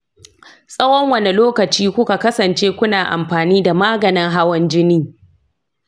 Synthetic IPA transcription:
sʼɐ˦wɔ˦ŋwɐ˨ne˨loː˦kɐ˨t͡ʃiː˦kʷʊ˦ka˨kɐ˦sɐ˨nt͡ʃeː˦kʷʊ˦naː˨ʔa̰˨mɸaː˨niː˦da˨maː˦ɡɐ˨nɪ˦ŋɦa˦wɔ˦nd͡ʒɪ˦niː˦

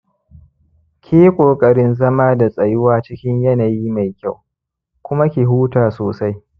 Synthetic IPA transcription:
kʲʰiː˦kʷʼoː˨kʼɐ˨ɽɪ˦nzɐ˦maː˦da˨sʼɐ˨jʊ˦waː˦t͡ʃɪ˦kʲɪ˦ɲjɐ˦na˨jiː˦ma˨jkʲa˦˨w | kʷʊ˦ma˦kʲi˨ɦuː˦taː˨soː˨sa˦j

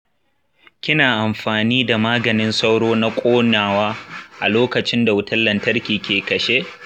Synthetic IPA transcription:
kʲɪ˦naː˨ʔa˨mɸaː˨niː˦da˨maː˦ɡɐ˨nɪ˦nsa˦wɽoː˦na˦kʷʼoː˦naː˨waː˦ʔa˨loː˦kɐ˨t͡ʃɪ˦nda˨wʊ˦tɐ˦lːɐ˨ntɐ˦rkʲiː˨kʲeː˨kɐ˨ʃe˦ʔ

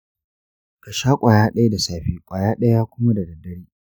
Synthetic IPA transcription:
ka˨ʃaː˦kʷʼaː˨jaː˦ɗɐ˦ja˦da˨saː˨ɸiː˦kʷʼaː˨jaː˦ɗɐ˦ja˦aː˦kʷʊ˦ma˦da˨dɐ˨dɐ˦ɽiː˦

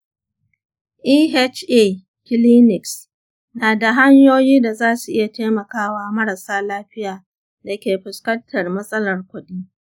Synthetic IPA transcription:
ʔiː˦ɦe˦t͡ʃʔe˦˨ | kʲɪ˦liː˦nɪ˨ks | naː˨da˨ɦa˦ɲjoː˦jiː˦da˨zaː˦su˨ʔɪ˦ja˨teː˦mɐ˨kaː˦waː˦mɐ˦ɽa˨saː˦laː˦ɸɪ˦jaː˨ | da˨kʲeː˨ɸʊ˨skɐ˦ntʰːɐ˨rmɐ˦sʼɐ˦lɐ˨rkʷʊ˨ɗiː˦

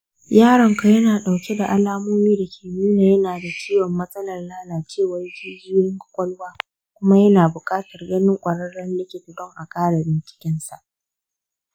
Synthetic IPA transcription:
jaː˦ɾɐ˨ŋka˨jɐ˦naː˨ɗa˨wkʲe˦da˨ʔa˨laː˦moː˦miː˦dɐ˨kʲʰeː˨muː˦naː˨jɐ˦naː˨da˨t͡ʃiː˦wɔ˨mːɐ˦sʼɐ˦lɐ˨rlaː˦laː˨t͡ʃeː˦˨wa˨jkʲiː˨˦d͡ʒɪː˦jɪ˦ŋkʊ̥˦kʷʼɔ˦lwaː˦ | kʷʊ˦ma˦jɐ˦naː˨bʊ˨kʼaː˦tɐ˨rɡɐ˦nɪ˦ŋkʷʼɐ˨ɽɐ˦ɽɐ˦nlɪ˦kʲeː˨kʊ˨dɔ˦ŋʔa˨kʼaː˦ɽa˨bɪ˨nkʲɪ̥˦kʲɪ˦nsa̰˨ʔ

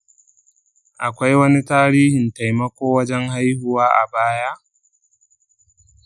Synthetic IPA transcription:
ʔa˨kʷa˦jwɐ˦ni˦taː˦ɾiː˦hɪ˨nta˨jmɐ˦kʷoː˦wɐ˦d͡ʒɛ˦ŋɦa˦jhʊ˨waː˦ʔa̰˨baː˦ja˦ʔ

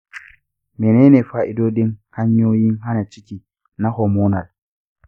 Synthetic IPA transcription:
mɛ˨nɛ˦nɛ˨fa˨ʔi˦dɔ˦di˦nha˦ɲo˦ji˦nɦa˦na˨t͡ʃi˦ki˨ | na˦hɔmɔna˨l

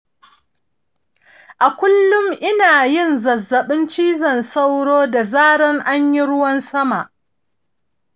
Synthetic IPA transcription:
ʔa˨kʷʊ˦lːʊ˦mʔɪ˦naː˨jɪ˦˨nzɐ˨zːɐ˨ɓɪ˦nt͡ʃiː˦zɐ˨nsa˦wɽoː˦da˨zaː˦ɽɐ˦ŋʔa˦ɲji˦ɽʊ˦wɐ˦nsɐ˦ma˨ʔ

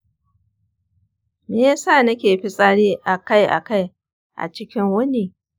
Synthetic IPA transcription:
meː˦ja˦saː˦˨nɐ˦kʲeː˨ɸi˦sʼa˦ɽiː˦ʔa˨ka˦˨jʔa̰˨ka˦˨j | ʔa̰˨t͡ʃɪ˦kʲɪ˦ŋwʊ˦ni˦

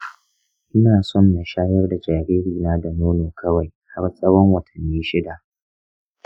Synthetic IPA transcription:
ʔɪ˦naː˨sɔ˦˨nːa˨ʃaː˦jɐ˦rda˨d͡ʒaː˨ɾiː˦ɾiː˨naː˦da˨nuː˦neː˨kʰɐ˦wa˨jha˦ɾsʼɐ˦wɔ˦ŋwɐ˨tʰɐ˨nːiː˦ʃɪ˦da˨ʔ

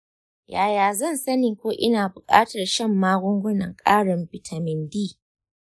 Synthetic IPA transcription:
jaː˨jaː˨zɐ˦˨nsɐ˦nɪ˨ŋkʷoː˦ʔɪ˦naː˨bʊ˨kʼa̰ː˦tɐ˨rʃɐ˦˨mːaː˦ɡʷʊ˦ŋɡʷʊ˦nɐ˨ŋkʼaː˦ɽɐ˨mbɪ˨tʰa˨mɪ˨ndiː˦˨

